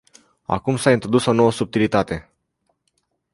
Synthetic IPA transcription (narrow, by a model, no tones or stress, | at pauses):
a̰kumsaint̪ɾo̞d̪uso̞no̞wəsub̚t̪ilit̪at̪e̞